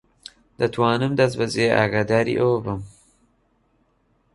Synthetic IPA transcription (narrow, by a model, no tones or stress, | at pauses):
d̪ɐt̪ʰwɑːnɨmd̪ɐs̬bɐzeʔa̰ːɡaːd̪aːɾḭːʔəwbɨm